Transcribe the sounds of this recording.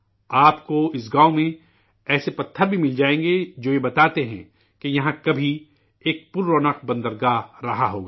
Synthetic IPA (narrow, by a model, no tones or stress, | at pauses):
aːpkoɪs̬ɡãːõmẽ | ɛːsepɐt̪ʰːəɾbʱimɪld͡ʒaːẽːŋɡed͡ʒoːjebɐt̪aːt̪eɦɛ̰̃ | kejɐɦãkɐbʱi | eːk̚pʊɾːoːnəq̚bɐ̃nd̪əɾɡaːɾɐɦaɦo̰ːɡaː